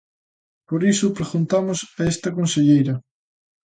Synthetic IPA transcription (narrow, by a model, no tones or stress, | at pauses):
poɾisʊpɾeɣunt̪amʊsaest̪ɐkõnseʎejɾɐ